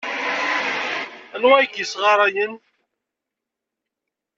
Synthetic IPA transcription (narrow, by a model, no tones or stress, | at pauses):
ænwæjkəsʁɑɾˤæjən